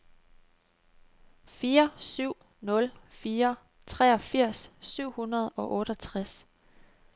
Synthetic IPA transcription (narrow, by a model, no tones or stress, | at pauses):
fiːɐsyʊ̰ | nɔ̽lfiːɐ | t͡sʰʁɛɒ̽fiɐ̰sːyʊ̰hunɐð̞ˠɒ̽ʔɔ̽ːɾ̥ɒt͡sʰʁas